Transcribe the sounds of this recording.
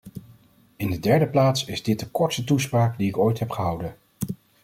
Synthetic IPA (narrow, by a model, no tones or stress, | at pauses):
ɪndədɛɹdəplaːtsɪzdɪt̚dəkɔɹtstətuspraːkdiɪkojtɦɛpχəɦʌwdən